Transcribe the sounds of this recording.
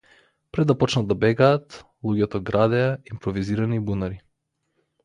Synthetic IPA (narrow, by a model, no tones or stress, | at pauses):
pɾɛd̪ːapɔt͡ʃnad̪abɛɡaːt̪ | lˠuɡɛt̪ɔɡɾad̪ɛaimpɾɔviziɾanibunaɾi